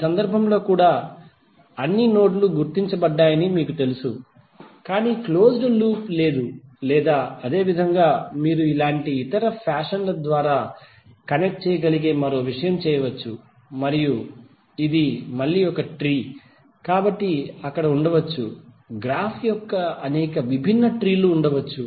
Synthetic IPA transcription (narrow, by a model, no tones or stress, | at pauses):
isɐnd̪ɐɾbʱɐmlo̞ːkuːɽaː | ɐnːino̞ːʈluɡuɾt̪iɲt͡ʃɐbɐɖːaːjɐnimiːkut̪e̞lusu | kaːniːklo̞ːsɾɐluːple̞ːd̪ulɛːd̪aːɐd̪e̞ːʋid̪ʱɐŋɡaːmiːɾuilaːɳʈiːt̪ɐɾɐpʰaːʂɐnlɐd̪ʋaːɾaː | kɐnek̚ʈ̚t͡ʃɛːjɐɡɐliɡeːmɐɾo̞ːʋiʂɐjɐmt͡ʃɛːjɐʋɐt͡ʃːu | mɐɾiju | id̪imɐɭːiːɔkɐʈɾiː | kaːbɐʈːiɐkːɐɽɐuɳɖɐʋɐt͡ʃːṵ | ɡɾaːpʰjɔkːɐɐnɛːkɐʋibʱinːɐʈɾiːluːɳɖɐʋɐt͡ʃːu